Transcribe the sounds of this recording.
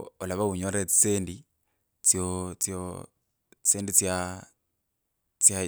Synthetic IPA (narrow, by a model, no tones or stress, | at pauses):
olaβauɲoɾet͡st͡seːndi | t͡sjot͡sjo | t͡st͡seːndit͡sja | t͡sja